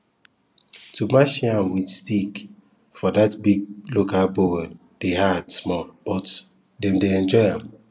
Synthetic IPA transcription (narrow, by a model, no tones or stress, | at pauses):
tʰumaʃiãmwidstik | fɔdatbiɡ̚lokalbowɛl | d̥eɦadsmɔlb̥ɔt | dɛ̃mdeɛ̃nd͡ʒɔɪãm